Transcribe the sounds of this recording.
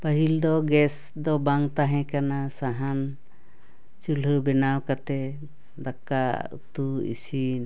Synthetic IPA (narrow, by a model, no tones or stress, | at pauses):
pəɦild̪ɔɡɛs | d̪ɔbaŋt̪aɦɛ̃kanasaɦan | t͡ʃulɦəbɛnawkat̪ɛ | d̪akːa̰ṵt̪uḭsin